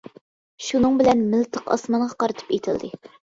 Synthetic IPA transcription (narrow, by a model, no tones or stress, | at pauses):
ʃunɨŋbɪlɛnmɪlt̪ʰəqɑ̰smɑɴʁɑqɑɾɨt̪ʰɨ̥pet̪ʰɪld̪ɪ